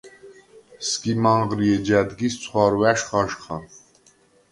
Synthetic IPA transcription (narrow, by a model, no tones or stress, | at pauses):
skimɑɴʁɾiɛd͡ʒæd̪ɡist͡sʰwɑɾwæʃχɑʃχɑ